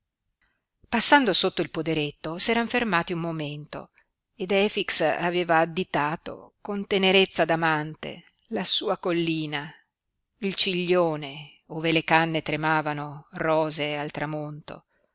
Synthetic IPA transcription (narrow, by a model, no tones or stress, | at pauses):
pasːand̪osot̪ːoilpod̪eɾet̪ːosɛːɾaɱfermaːt̪iummːoment̪o̰ | ed̪ɛːfiksa̰veːvaːd̪ːit̪aːt̪o̰kont̪eneɾet̪sːad̪amant̪ḛ | lasuːakolːiːna | ilt͡ʃiʎːoːne | oːvelekanːet̪ɾemaːvanorɔːzealt̪ɾamont̪o̰